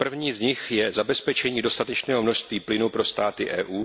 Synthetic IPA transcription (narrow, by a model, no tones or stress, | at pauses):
pr̩vɲiːzɲɪxjɛzabɛspɛt͡ʃɛɲiːdo̞st̪at̪ɛt͡ʃnɛːɦomno̞ʃst̪viːplɪnupɾo̞st̪aːt̪ɪʔɛːʔuː